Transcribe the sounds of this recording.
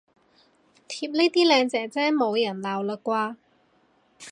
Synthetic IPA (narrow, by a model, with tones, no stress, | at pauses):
t̪ʰiː˧p̚ne˥t̪iː˥lɛː˨˧ŋt͡sɛː˨˥t͡sɛː˥mo˨˧wjɐ˨˩nlaː˨˩wləː˨˧kʷːaː˧